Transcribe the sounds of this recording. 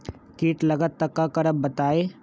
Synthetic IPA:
kiːʈlɐɡət̪ːɐkːakɐɾəb̚bɐt̪aːeː

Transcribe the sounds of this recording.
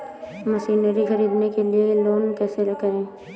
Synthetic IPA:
məʃiːnəɾixɐɾiːd̪nekelieloːnkɛːseɾɐɡaẽː

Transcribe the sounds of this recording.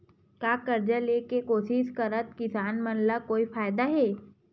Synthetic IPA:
kjaːkəɾd͡ʒaleːkekoːʃɪʃkəɾət̪̚kɪsaːnmənlakoːifaːjd̪aɦɛː

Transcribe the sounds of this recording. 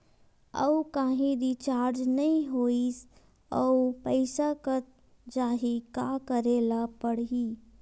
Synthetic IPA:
ə̰ukaːɦĩɾit͡ʃaːɾd͡ʒnəĩɦois | əupəɪsakət̪̚ | d͡ʒaːɦikakəɾelapəɽi

